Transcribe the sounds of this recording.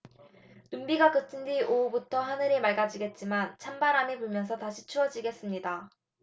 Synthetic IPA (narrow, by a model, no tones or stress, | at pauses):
numbiɡakɯtʰɯndiʔoubutʰʌɦanɯɾemaɭɡad͡ʑiɡe̞t̚t͡ɕ͈imant͡ɕʰambaɾanepuɭmjʌnsʰʌtaɕʰit͡ɕʰuʌd͡ʑiɡe̞s͈ɯmɲida